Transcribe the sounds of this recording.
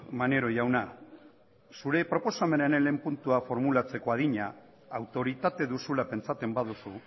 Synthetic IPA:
mane̞ɾo̞jawna | suɾe̞pɾo̞po̞same̞nenele̞mpunt̪uafo̞ɾmulat͡se̞ko̞aðiɲaː | wt̪o̞ɾit̪at̪e̞ðusulape̞nt͡sat̪e̞mbaðusu

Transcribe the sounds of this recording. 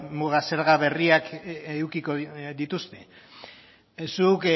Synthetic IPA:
muɣase̞ɾɣaβe̞riakewkikoðit̪ust̪e̞ | suk

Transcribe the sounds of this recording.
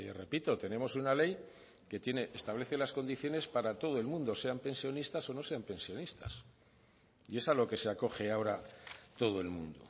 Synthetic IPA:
ere̞pit̪o̞t̪e̞ne̞mo̞sunale̞j | ke̞t̪je̞ne̞ʔest̪aβle̞θe̞lasko̞nd̪iθjone̞spaɾat̪o̞ð̞oe̞lmũnd̪o̞se̞ampe̞nsjo̞nist̪aso̞no̞se̞ampe̞nsjo̞nist̪a̰s | ie̞salo̞ke̞se̞ako̞xe̞aoɾat̪o̞ð̞oe̞lmṵ̃nd̪o̰

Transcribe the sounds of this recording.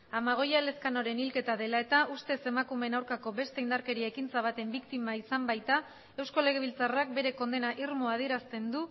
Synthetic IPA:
amaɣ̞o̞jale̞skano̞ɾe̞nilke̞t̪aðe̞lae̞t̪aʔust̪e̞se̞makume̞nawɾkako̞be̞st̪e̞ind̪aɾke̞ɾiaekint͡saβ̞at̪e̞mbikt̪imaisambajt̪a | e̞wsko̞le̞ɣ̞e̞β̞ilt͡sarak̚be̞ɾe̞ko̞nd̪e̞naʔiɾmoað̞ie̞ɾast̪e̞nd̪u

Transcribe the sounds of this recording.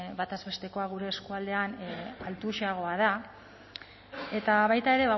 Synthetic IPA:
βat̪azβe̞st̪e̞ko̞aɣ̞uɾe̞ːskuald̪e̞analt̪uʃiaɣ̞o̞að̞a | e̞t̪aβajt̪ae̞ɾe̞βa

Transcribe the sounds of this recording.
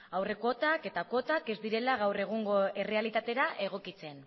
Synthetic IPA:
awre̞ko̞t̪ake̞t̪ako̞t̪ake̞zd̪iɾe̞laɣ̞awre̞ɣ̞uŋɡo̞e̞re̞alit̪at̪e̞ɾaʔe̞ɣ̞o̞kit͡se̞n

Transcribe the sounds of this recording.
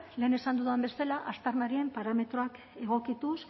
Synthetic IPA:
le̞ːne̞sand̪uðuambe̞st̪elaʔast̪aɾnaɾie̞mpaɾame̞t̪ɾo̞ak | e̞ɣ̞o̞kit̪us

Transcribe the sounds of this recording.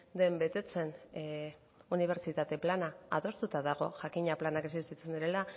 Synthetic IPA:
d̪e̞mbe̞t̪e̞t͡se̞n | uniβ̞e̞ɾt͡ʃit̪at̪e̞planaaðo̞st̪ut̪aðaɣ̞o̞ʝakiɲaplanake̞sist̪it͡se̞nd̪iɾe̞la

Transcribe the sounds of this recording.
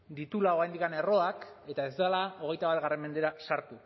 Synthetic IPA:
d̪it̪ulao̞ajnd̪ikanero̞ake̞t̪ae̞zd̪alao̞ɣ̞e̞jt̪aβat̪ɣare̞mːe̞nd̪e̞ɾasaɾt̪u

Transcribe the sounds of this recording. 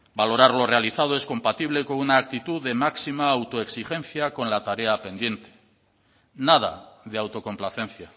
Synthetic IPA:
balo̞ɾaɾlo̞realiθað̞o̞e̞sko̞mpat̪iβ̞le̞konunaːk̚t̪it̪uðe̞maksimaːwt̪o̞eksixe̞n̟θjako̞nlat̪aɾe̞ape̞nd̪je̞nt̪e̥ | naða̰ð̞eawt̪o̞ko̞mplaθe̞nθja

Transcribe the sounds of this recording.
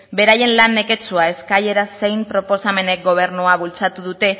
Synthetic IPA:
be̞ɾaje̞nlanːe̞ke̞t͡suae̞skaʎe̞ɾase̞jmpɾo̞po̞same̞ne̞k̚ɡo̞β̞e̞ɾnuaβult͡sat̪uðut̪e̞

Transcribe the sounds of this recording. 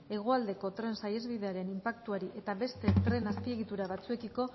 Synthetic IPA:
e̞ɣ̞o̞ald̪e̞ko̞t̪ɾe̞nsaje̞zβiðe̞aɾe̞nimpakt̪uaɾiʔe̞t̪aβe̞st̪e̞t̪ɾe̞naspie̞ɣ̞it̪uɾaβat͡sue̞kiko̞

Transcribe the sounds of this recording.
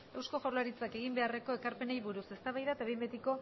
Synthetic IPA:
e̞wsko̞foɾlaɾit͡sake̞ɣ̞imbe̞are̞ko̞e̞kaɾpe̞nejβuɾuse̞st̪aβajðaet̪aβ̞ijmbet̪iko̞

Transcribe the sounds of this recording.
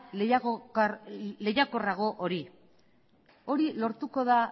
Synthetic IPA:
le̞jako̞raɣ̞o̞ʔoɾi | o̞ɾilo̞ɾt̪uko̞ða

